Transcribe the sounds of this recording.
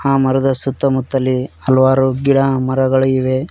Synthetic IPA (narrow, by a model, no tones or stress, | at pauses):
haːmɐɾɐd̪ɐsut̪ːɐmut̪ːɐlːiɐlʋaːɾuɡiɽɐmɐɾɐɡɐɭɐiʋe